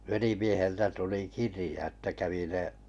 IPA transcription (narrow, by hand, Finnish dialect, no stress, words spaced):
ʋelimieheltæ tuli kirĭjɑ etːæ kæʋi ne